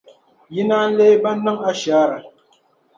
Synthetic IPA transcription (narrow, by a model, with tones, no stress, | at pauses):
ji˦na˦n̩˦le˦ba˦na˦ŋa˦ʃaː˨˦ɾa˨